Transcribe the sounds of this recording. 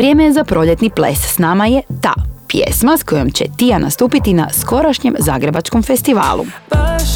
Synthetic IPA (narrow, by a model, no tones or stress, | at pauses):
ʋɾje̞ːmejezapɾo̞ʎe̞t̪niplḛssnaːmajet̪a̰ːpjḛsmasko̞jo̞mt͡ɕe̞̰t̪ijanʔa̰st̪uːpit̪ina̰sko̞ɾaʃɲemzaːɡɾe̞bat͡ʃko̞mfe̞st̪iʋa̰ːlṵ